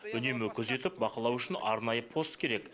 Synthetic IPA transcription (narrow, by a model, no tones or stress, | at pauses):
ʏne̞mɪkʲʰɵze̞t̪ɪp̚bɑqəlˠɑwʏʃɪnɑ̰ɾnɑjəpʰo̞st̪kʲʰe̞ɾek